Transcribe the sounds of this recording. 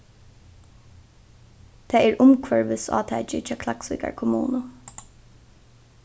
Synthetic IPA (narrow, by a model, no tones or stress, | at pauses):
t̪ʰɛːɛɹʊmkʰʋœɹʋɪsɑ̰ːt̪ʰɛːt͡ʃɪt͡ʃʰɑːkʰlaksʋɪka̰ɹkʰʊmṵːnʊ